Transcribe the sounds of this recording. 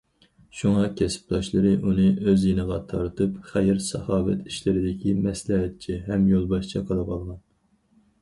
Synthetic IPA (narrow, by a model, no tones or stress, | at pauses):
ʃuŋɑkʲʰɛsɪ̥p̚t̪ʰɑʃlˠɨɾɨʔunɨʔøzjenəʁɑt̪ʰɑɾt̪ʰɨpχæjɪɾsɑ̰hɑːvɛt̪ʰiʃlɪɾɪd̪ɪkʲʰimɛslɛɦɛt̪̚t͡ʃʰiɦɛmjolˠbɑʃt͡ʃʰɑqʰɑlˠɑpʰɑlˠʁɑn